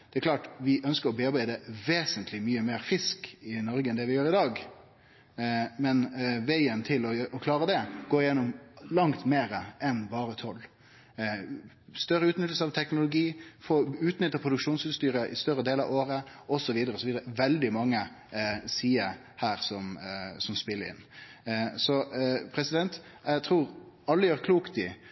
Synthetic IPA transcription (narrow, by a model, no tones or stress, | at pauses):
d̪ɛɛklɑːʈʋɪʔœnskəɾɔbeɑɾbæɪd̪əʋeːsənt̪ʰlɪmyːəmeːɾfɪskɪnɔɾɡəɛnd̪ɛʋɪjøːɾɪd̪ɑːɡ | mɛnʋæɪənt̪ʰɪlɔʔɔkʰlɑːɾəd̪ɛɡoːɾjɛnːʊmlɑŋt̪meːɾəɛnbɑːɾət̪ʰɔlː | st̪œɾəʉːt̪nʏt̪əl̩səɑʋt̪ʰɛknʊlʊɡiːfɔʉːt̪nʏt̪ːəpʰɾʊd̪ʉkʂuːnsʉst̪yːɾəʔɪst̪œɾəd̪eːlɑ̰ʋoːɾəʔɔsɔʋiːd̪əɾəɔsɔʋiːd̪əɾəʋɛld̪ɪmɑŋːə | siːə | hæːɾsɔmsɔmspɪlːəɾɪ̰n | sɔpʰɾɛsɪd̪ɛnt̪ɛɡt̪ʰɾuːɾɑlːəjøːɾkʰluːkt̪ɪ